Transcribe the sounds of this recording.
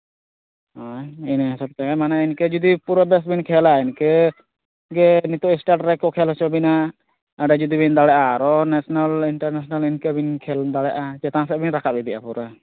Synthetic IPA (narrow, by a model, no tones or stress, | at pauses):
hainɦɛsab̚t̪ɛɛmanɛinkɛd͡ʒud̪ipuɾabɛsbinkʰɛlainkɛ | ɡɛnit̪ɔʔisʈaʈɾɛkɔkʰɛlt͡ʃɔbina | aɖɛd͡ʒud̪ibind̪aɽɛʔaɾɔnɛsɔnaliɳʈaɾnɛsɔnalinkɛbinkʰɛld̪aɽɛʔad͡ʒɛt̪ãsɛbinɾakʰaid̪iʔa̰puɾa